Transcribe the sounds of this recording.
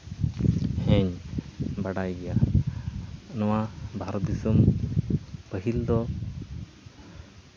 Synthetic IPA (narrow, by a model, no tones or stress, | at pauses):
heɲ | baɽajɡija | nɔwabʱaɾt̪isum | bəɦild̪ɔ